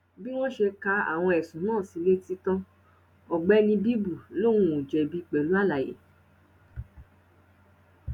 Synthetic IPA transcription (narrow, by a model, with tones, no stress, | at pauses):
bi˦w̃ɔ̃˦ʃe˧ka˧a̰˨w̃ɔ̃˧ɛ˨sũ˨˦nãː˦˨si˨˧˦le˦ti˦tã˦ | ɔ˨ɡ͡bɛ˦nĩ˧bi˦bu˦˨lo˦˨wũ˦u˨d͡ʒɛ˨bi˦k͡pɛ˨lu˨˦a˦˨la˨jḛ˨